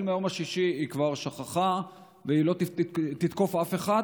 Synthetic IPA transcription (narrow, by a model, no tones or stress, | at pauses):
lmajomaʃiʃiikvaʁʃaχaχa | veilo̞t̪t̪it̪ko̞fafe̞χa